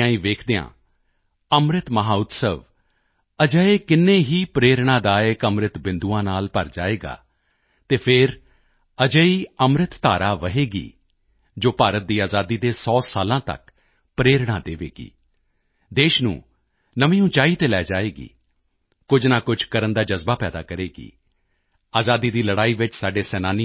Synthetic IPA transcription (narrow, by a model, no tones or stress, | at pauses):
ãːĩːʋeːkʰd̪eã̰ː | əmɾɪt̪məɦaːʊt̪səʋ | əd͡ʒəeːkɪnːeːɦiːpɾeːɾɽ̃ãːd̪aːekəmɾɪt̪bɪ̃nd̪uːãːnaːlpəɾd͡ʒa̰ːeːɡa̰ː | t̪eːpʰɪɾ | əd͡ʒəiːəmɾɪt̪ːaːɾaːʋəɦeːɡḭː | d͡ʒoːpaːɾət̪̚d̪iːaːzaːd̪iːd̪eːsɔːsaːlãːt̪ə̰k | pɾeːɾɽ̃ãːd̪eːʋḛːɡḭː | d̪eːʃnṵ̃ː | nəʋĩːũːt͡ʃaːiːt̪eːlɛːd͡ʒaːeːɡḭː | kʊd͡ʒnaːkʊd͡ʒkəɾənd̪aːd͡ʒəzbaːpɛːd̪a̰ːkəɾeːɡḭː | aːzaːd̪iːd̪iːləɽaːiːʋɪt͡ʃsaːɖeːsɛːnaːni